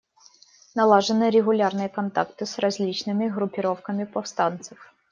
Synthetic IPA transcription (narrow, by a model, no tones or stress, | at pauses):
nɐlˠaʐɨnɨɾʲɪɣʊlʲarnɨjəkɐnt̪a̰kt̪ɨsrɐzʲlʲit͡ɕnɨmʲɪɣɾʊpʲɪɾo̞fkəmʲɪpɐfst̪ant̪sɨf